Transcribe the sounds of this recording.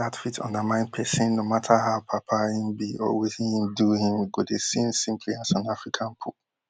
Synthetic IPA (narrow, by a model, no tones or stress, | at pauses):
atfitʰɔ̰̃ndamãɪ̃nd̚pʰɛsĩnːomatʰaɦaʊpʰapʰaĩnbiɔ̰wiθĩnĩnduhĩmɡodesĩnsĩmpʰliasãnafɹikʰãnpʰu